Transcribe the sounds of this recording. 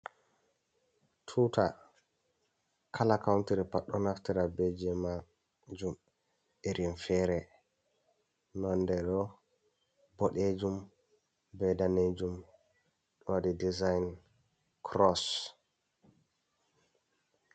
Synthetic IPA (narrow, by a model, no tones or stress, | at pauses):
tʰuta | kʰalakawntiɾipaɗɔnaftɛɾabɛd͡ʒɛma | d͡ʒum | ʔeɾʔinfɛɾɛ | nɔndɛɗɔ | bɔɗed͡ʒum | bɛdaned͡ʒum | ɗɔwaɗidizajn | kʰɾɔs